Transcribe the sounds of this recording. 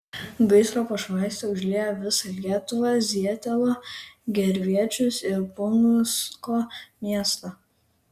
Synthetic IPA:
bɐɪsɾoːpɐʃʋɑˑɪsʲt̪ʲɛʊʒʲlʲiːjoːʋʲɪsɐlʲiɛt̪ʊʋɑzʲiɛt̪ʲɛlˠoːɡʲɛɾʲʋʲiɛt͡ʃʲʊsɪɾpʊnʊskoːmʲiɛst̪ɐ

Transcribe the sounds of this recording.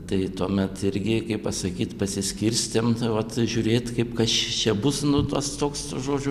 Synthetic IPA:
t̪ɐɪt̪uɔmʲɛt̪ɪɾʲɡʲɪkɐɪpɐsɐkʲiːt̪pɐsʲɪsʲkʲɪrʲsʲt̪ʲemʋɐt̪ʒʲuːɾʲeːt̪kɐɪpkɐst͡ʃʲɛbʊsnʊt̪ust̪oːksʒoːd͡ʒʲʊ

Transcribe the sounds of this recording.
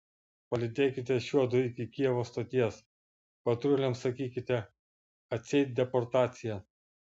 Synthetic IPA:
pɐlʲɪd̪ʲeːkʲɪt̪ʲɛʃʲuɔd̪ʊɪkʲɪkʲiɛʋoːst̪oːt̪ʲiɛs | pɐt̪ɾʲʊlʲɛmsɐkʲiːkʲɪt̪ʲɛ | ɐt̪ʲsʲɛɪt̪̚ʲd̪ʲɛpɔɾt̪ɑːt̪sʲɪjɛ

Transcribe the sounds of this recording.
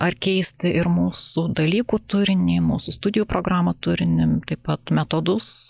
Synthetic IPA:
ɐrkʲɛɪsʲt̪ʲɪʔɪɾmuːsʊd̪ɐlʲiːkuːt̪ʊɾʲɪnʲimuːsʊst̪ʊd̪ʲɪjuːpɾoːɡɾɑːmɐt̪ʊɾʲɪnʲɪmt̪ɐɪpɐt̪mʲɛt̪oːd̪ʊs

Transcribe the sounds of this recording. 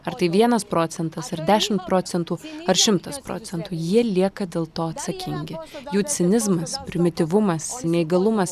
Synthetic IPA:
ɐɾt̪ɐɪʋʲiɛnɐspɾoːsʲɛnt̪ɐsɐɾd̪ʲæːʃʲɪmt̪̚pɾoːsʲɛnt̪uːɐɾʃʲɪmt̪ɐspɾo̰ːt͡ssʲɛnt̪uːjiɛlʲiɛkɐd̪ʲeːlˠt̪oːɐt̪sɐkʲɪŋʲɡʲɪjuːt͡ssʲɪnʲɪzmɐspʲɾʲɪmʲɪt̪ʲɪʋʊmɐsnʲɛɪɡɐlˠʊmɐs

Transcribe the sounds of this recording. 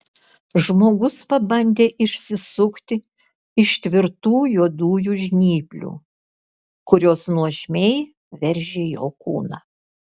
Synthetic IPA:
ʒmoːɡʊspɐbɐnʲd̪ʲeːʔɪʃʲsʲɪsʊkt̪ʲɪ | ɪʃt̪ʲʋʲɪɾt̪uːjuɔd̪uːjuːʒʲnʲiːpʲlʲṵː | kʊɾʲoːsnuɔʒʲmʲɛɪ | ʋʲɛɾʲʒʲeːjo̰ːkṵːnɑː

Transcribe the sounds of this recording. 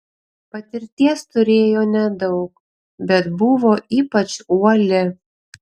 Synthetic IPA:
pɐt̪ʲɪɾʲt̪ʲiɛst̪ʊɾʲeːjoːnʲɛd̪ɒʊk | bʲɛt̪bʊʋoːʔiːpɐt͡ʃuɔlʲɪ

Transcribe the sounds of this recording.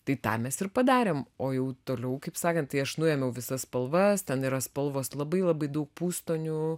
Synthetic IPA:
t̪ɐɪt̪ɑ̰ːmʲɛsɪɾpɐd̪ɑːɾʲeːmoːjɛʊt̪oːlʲɛʊkɐɪpsɑːkɐnt̪t̪ɐɪɐʃnʊjɛmʲɛʊʋʲɪsɐsspɐlˠʋɐst̪ʲɛniːɾɐspɐlˠʋoːslˠɐbɐɪlˠɐbɐɪd̪ɐʊk̚puːst̪oːnʲu

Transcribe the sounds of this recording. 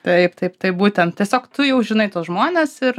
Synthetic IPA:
t̪ɐɪpt̪ɐɪpt̪ɐɪbuːt̪ʲɛnt̪̚t̪ʲiɛsʲoːkt̪ʊjɛʊʒʲɪnɐɪt̪oːsʒmoːnʲeːsɪɾ

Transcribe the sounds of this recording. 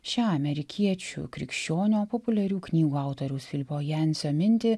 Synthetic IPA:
ʃʲæːɐmʲɛɾʲɪkʲiɛt͡ʃʲṵːkɾʲɪ̰kʃʲt͡ʃʲoːnʲoːpɔpʊlʲɛɾʲuːknʲiːɡuːɑˑʊt̪oɾʲɛʊsfʲɪlʲpoːjɛnʲsʲoːmʲɪnʲt̪ʲɪ

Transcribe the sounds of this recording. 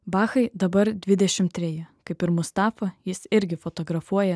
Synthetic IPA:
bɑːxɐɪd̪ɐbɐɾd̪ʲʋʲɪd̪ʲɛʃʲɪmt̪ʲɾʲɛjɪkɐɪpɪɾmʊst̪ɑːfɐjɪsɪɾʲɡʲɪfɔt̪oːɡɾɐfuɔjɛ

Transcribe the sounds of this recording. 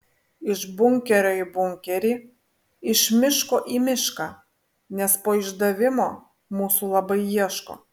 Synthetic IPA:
ɪʃbʊŋʲkʲɛɾʲoːɪbʊŋʲkʲɛɾʲiː | ɪʃmʲɪʃkoːʔimʲɪʃkɑː | nʲɛspoːɪʒd̪ɐʋʲɪmoː | muːsulˠɐbɐɪiɛʃko̰ː

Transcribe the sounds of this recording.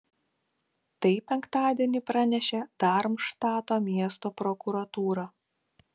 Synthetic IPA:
t̪ɐɪpʲɛŋkt̪ɑːd̪ʲiɛnʲipɾɑnʲɛʃʲɛd̪̥ɑɾmʃt̪ɑːt̪oːmʲiɛst̪oːpɾɔkʊɾɐt̪uːɾɐː

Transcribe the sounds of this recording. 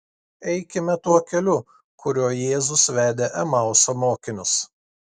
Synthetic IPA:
ɛɪkʲɪmʲɛt̪uɔkʲɛlʲʊ | kʊɾʲuɔjeːzʊsʋʲæːd̪ʲeʔɛmɑˑʊsoːmoːkʲɪnʲʊs

